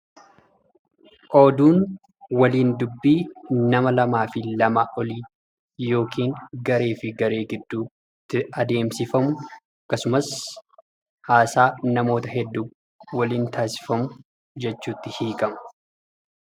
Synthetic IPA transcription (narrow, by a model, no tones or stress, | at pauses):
ʔo̞ːd̪uːn | wɐliːnd̪ʊbːiːnɐmɐlɐmaːfɪlɐmaʔɔliː | jo̞ːkʰiːŋɡɐɾe̞ːfɪɡɐɾe̞ːɡɪd̪ːuː | t̪ːɪɐd̪e̞ːmsɪfɐmʊ | ɐkːɐsʊmɐs | haːsaːnɐmo̞ːt̪ɐɦɛd̪ːuː | wɐliːnt̪ʰaːsɪ̥fɐmʊ | d͡ʒɛt͡ʃːuːt̪ːɪhiːkʼɐmɐ̥